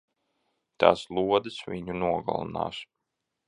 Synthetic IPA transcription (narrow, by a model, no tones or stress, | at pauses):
t̪a̰ːslˠuɔd̪ɨsvʲiɲunuɔɡa̰lˠa̰na̰ːs